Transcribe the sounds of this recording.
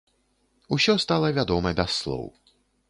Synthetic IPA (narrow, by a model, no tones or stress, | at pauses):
usʲɔst̪alˠɐvʲad̪ɔmɐbʲasːlˠɔ̰w